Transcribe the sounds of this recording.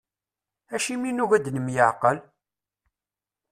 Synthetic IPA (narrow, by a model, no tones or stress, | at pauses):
æʃiminuʝæd̪nəmjəʕqəl